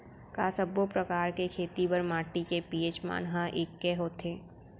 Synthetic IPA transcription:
kaːsəbopɾɐkaːɾkekʰeːt̪ipɐɾmaːʈikepiːeːt͡ʃma̰ːnɦaʔeːkːɛɦoːt̪ʰeː

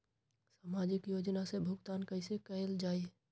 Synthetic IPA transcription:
saːmaːd͡ʒɪkjoːd͡ʒnasebʱʊɡt̪aːnkəɪsekəeld͡ʒaːi

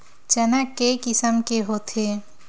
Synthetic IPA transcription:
t͡ʃənəkːekɪsəmkeɦot̪ʰe

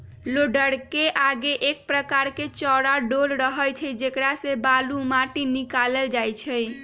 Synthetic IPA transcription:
loɖəɽkeʔaɡeʔek̚pɾəkaɾket͡ʃɔɾaɖolɾəɦəjt͡ʃʰəjd͡ʒekɾasebalumaʈinikaleld͡ʒajt͡ʃʰəj

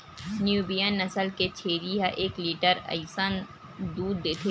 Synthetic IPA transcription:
njuːbijənːɐsəlket͡ʃʰeːɾiɦaʔeːkliːʈəɾɐ̰ɪsən | d̪uːd̪ːeːt̪ʰe

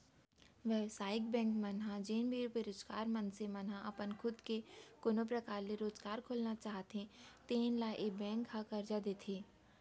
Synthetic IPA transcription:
ʋɛʋsaːɪk̚bɛ̃ːŋkmɐnɦãd͡ʒeːnbʱipeɾʊd͡ʒɡaːɾmɐnsemɐnɦãʔɐpənkʰʊd̪kekoːnop̬ɾɐkaːɾleɾoːd͡ʒɡaːɾkʰoːlnat͡ʃaːɦt̪ẽt̪eːnlaʔebɛ̃ːŋkɦakɐɾd͡ʒad̪eːt̪ʰeː

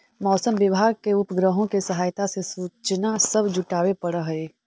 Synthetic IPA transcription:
mɔːsəmʋɪʋʱaːɡ̚keʊpɡɾəɦõkesɐɦaːjt̪asesuːt͡ʃnasɐbd͡ʒʊʈaːwepɐɽəɦeː

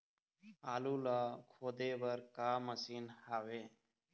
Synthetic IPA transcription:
aːluːlaːkʰoːd̪eːbəɾkaːməsiːnhaːʋeː

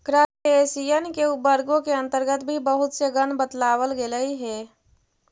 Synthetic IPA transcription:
kɾaːeːsijenkeʊbəɾɡõkeɐ̃nt̪əɾɡət̪bʱibəɦʊt̪seɡənbət̪laːwəlɡeləiɦɛː

